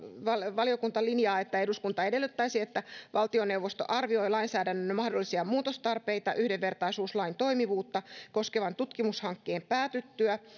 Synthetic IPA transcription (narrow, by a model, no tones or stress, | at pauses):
ʋɑlʋɑliokunt̪ɑlinjɑːet̪ːæeduskunt̪ɑe̞de̞lːyt̪ːæisiet̪ːæʋɑlt̪ione̞wʋost̪o̰ʔɑrʋio̞ilɑinsæːdænːønːmɑhdolːisiɑmuːt̪ost̪ɑrpeit̪ɑʔyhdeʋːe̞rt̪ɑisuːslɑint̪o̞imiʋuːt̪ːɑko̞skeʋɑnt̪ut̪kimushɑŋkːeːmpæːt̪yt̪ːyæ